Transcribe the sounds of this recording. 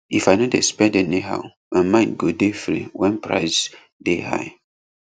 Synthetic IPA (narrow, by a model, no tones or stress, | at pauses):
ifajnɔdɛ̰spɛ̃dɛniɦa̰ʊ | ə̃nmãɪnɡodefɹḭwɛ̃npɹa̰ɪs | deha̰j